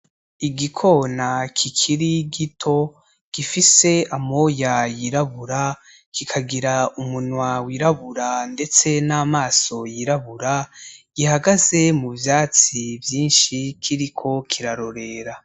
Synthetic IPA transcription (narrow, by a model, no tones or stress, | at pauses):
iɡikʰo̞ːnakʰikʰiɾiɡitʰo̞ | ɡ̥ifise̞amo̞jajiɾaβuɾa | kikʰaɡiɾaumunwawiɾaβuɾande̞t͡se̞naːmaːso̞jiɾaβuɾaɡ̥ihaɡaze̞muvjaːt͡sivjiːnʃikʰiɾikʰo̞kʰiɾaɾo̞ɾe̞ɾa